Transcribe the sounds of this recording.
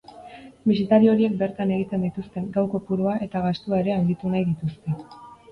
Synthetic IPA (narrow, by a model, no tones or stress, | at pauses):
misit̪aɾio̞ɾie̞k̚be̞ɾt̪ane̞ɣ̞it̪e̞nd̪it̪ust̪e̞ŋɡawko̞puɾuaʔe̞t̪aɣast̪uae̞ɾe̞aŋɡit̪unajðit̪uske̞